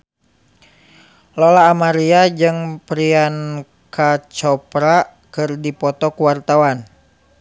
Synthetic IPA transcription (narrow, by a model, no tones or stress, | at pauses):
lɔlaːmaɾiad͡ʒɨŋpɾian | kat͡ʃɔpɾa | kɨrdipɔt̪ɔkuwart̪awan